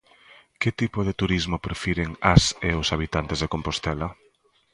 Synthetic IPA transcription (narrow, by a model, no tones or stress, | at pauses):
ket̪ipoðet̪uɾizmopɾefiɾeŋaseosaβ̞it̪ant̪ezðekompost̪ɛlɐ